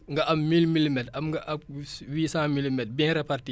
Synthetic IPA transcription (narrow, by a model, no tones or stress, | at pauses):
ŋɡɐʔɐmmilmilmɛtɐmŋɡɐʔɐb̚wiːsãːmilimɛt̚bɛ̃ːɾɛparti